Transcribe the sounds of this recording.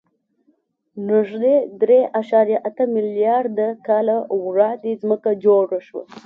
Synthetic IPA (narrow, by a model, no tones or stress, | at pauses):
nɪʐd̪ed̪ɾeaʃɑɾjaʔat̪əmɪljɑɾd̪akɑlawɾɑd̪izməkad͡ʒoɽaʃwa̰